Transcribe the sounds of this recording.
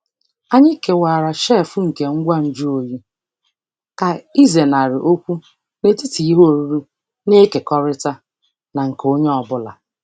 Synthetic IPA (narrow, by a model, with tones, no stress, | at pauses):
a˦ɲɪ˦ke˨waː˨ɾa˨ʃɛ˦˨fʊ˦ŋ̩˨ke˨ŋ̩˦ɡʷa˦n̩˨d͡ʒu˦o˨ji˦ | ka˨i˦ze˨na˨ɾɪ˨ʔo˦kʷu˦ | ne˨ti˦ti˨i˦ɦo˦o˨ɾu˦ɾu˦ | ne˦ke˨kɔ˦ɾɪ˦ta˦ | na˨ŋ̩˨ko˦ɲe˦ɔ˨bʊ˦la̰˨